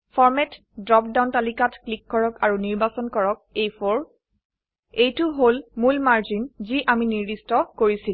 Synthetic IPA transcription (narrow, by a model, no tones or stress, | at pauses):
fʰɔɹmɛt | dɹɔp̚dawntalikatklikːɔɹɔkaɹuniɹbasɔnkɔɹɔk̚ejfʰɔɹ | ejtʊɦolmulmaɹzinziʔaminiɹdistɔkoɹisil